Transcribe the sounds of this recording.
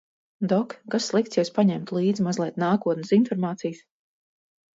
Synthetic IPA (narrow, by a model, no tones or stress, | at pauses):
d̪ɔkkasːlˠikt̪sjɛwspaɲɛmt̪lˠiːd̪zimazlˠɛt̪naːkuɔt̪nʲsinfɔɾmaːt̪sijs